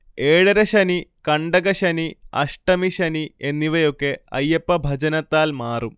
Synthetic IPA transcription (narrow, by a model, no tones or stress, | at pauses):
eːɻɐɾɐɕɐnikɐɳɖɐɣɐɕɐniɐ̰ʂʈɐmiɕɐnienːiʋɐjo̞kːe̞ɐ̰jːɐpːɐbʱɐd͡ʑɐnɐt̪ːaːlmaːrum